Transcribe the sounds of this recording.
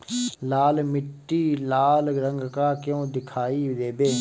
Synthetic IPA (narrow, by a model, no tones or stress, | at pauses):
laːlmɪʈːiːlaːlɾə̃ŋɡkaːkjõːd̪ɪkʰaːiːd̪eːbeː